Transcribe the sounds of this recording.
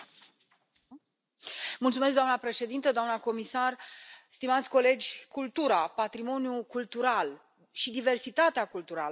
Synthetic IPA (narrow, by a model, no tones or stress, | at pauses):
mult̪sumes̬kɡd̪oamnəpɾe̞ʃe̞d̪int̪əd̪oamnəko̞misarst̪imat̪sʲko̞le̞d͡ʒʲkult̪uɾapat̪ɾimo̞njukult̪uɾal | ʃid̪ive̞rsit̪at̪eakult̪uɾalə